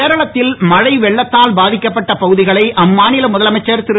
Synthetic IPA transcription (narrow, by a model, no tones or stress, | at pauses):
eːɾɐɭɐt̪ːɪlmɐɻɐɪʋɛɭːɐt̪ːaːlbaːðɪkːɐpːɐʈːɐpɐɣɯðɪɣɐɭɐɪʔɐmːaːnɪlɐmʊðɐlɐmɐɪt͡ʃːɐɾt̪ɪɾɯ